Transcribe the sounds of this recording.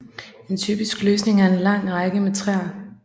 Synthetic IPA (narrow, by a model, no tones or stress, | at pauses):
e̝nt͡sʰy̰ːb̥isɡ̥løːsne̝ŋæɐe̝nlɑ̈ŋ̰ʁɑɡ̥əmet͡sʰʁɛɐ